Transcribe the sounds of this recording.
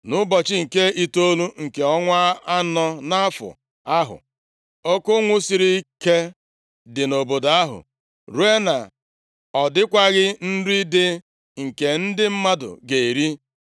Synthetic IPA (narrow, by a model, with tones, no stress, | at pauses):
nʊ˦bɔ˨t͡ʃɪ˦ŋ̩˨ke˦i˦to˦lu˦ŋ̩˨ke˨ɔ˦ŋʷa˦a˦nɔ˦na˦a˦fʊ̰˨ | a˦ɦʊ̰˨ | o˦kʊ˦ŋʷʊ˦si˨ɾi˦ke˦ | dɪ˨no˨bo˨da˦ɦʊ̰˨ | ɾu˦e˦na˨ | ɔ˨dɪ˦kʷa˦ɣɪ˦n̩˦ɾi˦dɪ˦ | ŋ̩˨ke˨n̩˦dɪ˦m̩˦ma˦dʊ̰˨ɡe˨i˨ɾi˦